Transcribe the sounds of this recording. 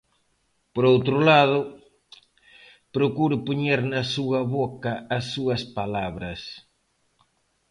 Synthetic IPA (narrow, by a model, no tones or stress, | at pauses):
poɾowt̪ɾʊlaðʊ | pɾokuɾʊpoɲeɾnɐsuɐβokɐːsːuɐspalaβɾɐs